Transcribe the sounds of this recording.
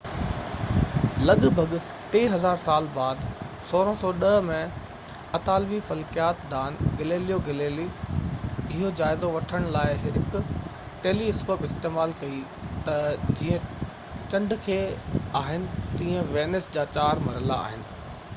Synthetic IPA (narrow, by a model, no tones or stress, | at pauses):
lɐɠbʱɐɡ | ʈeːɦɐzaːɾsaːlbaːd̪ | soːɾə̃sɔːɗɐɦmẽ | ɐt̪aːlbifɐlkijaːt̪d̪aːnɡɐleːlijoɡɐleːli | ɪɦod͡ʑaːɪzoʋɐʈʰəɽ̃laːɪɦɪkʊ | ʈeːliɪskoːpɪst̪eːmaːlkɐi | t̪ɐd͡ʑiːə̃ | t͡ɕɐ̃ɳɖkʰeːaːɦɪnɪ̆t̪ĩːə̃ʋeːnɪsd͡ʑaːt͡ɕaːɾmɐɾəla̰ːɦɪnɪ̆